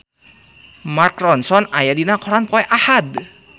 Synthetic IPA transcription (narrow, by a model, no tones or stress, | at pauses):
markrɔnsɔnajadinakɔɾanpɔɛʔahad